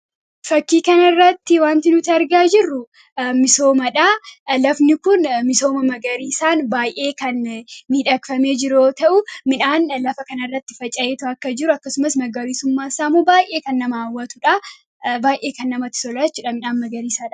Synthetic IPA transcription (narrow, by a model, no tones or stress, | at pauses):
fɐkːiːkɐnɐrːɐt̪ːɪwaːnt̪ɪnʊt̪ɪɐɾɡaːd͡ʒɪrːʊ | mɪso̞ːmɐᶑalɐfnɪkʊnmɪso̞ːmɐmɐɡɐɾiːsaːnbaːjʔe̞ːkɐnmiːᶑɐkfɐme̞ːd͡ʒɪɾoːt̪ɐʔʊmɪᶑaːnlɐfɐkɐnɐrːɐt̪ːɪ̥fɐt͡ʃʼːɐʔeːt̪ɐʔɐkːɐd͡ʒɪɾʊɐkːɐsʊmɐsmɐɡɐɾiːsʊmːaːsaːmuːbaːjʔe̞ːkɐnːɐmɐːwːɐt̪ʊᶑɐ | baːjʔe̞ːkɐnːɐmɐt̪ːɪ̥sɔlaːt͡ʃːʊᶑɐmɪnaːnmɐɡɐɾiːsaːᶑɐ̥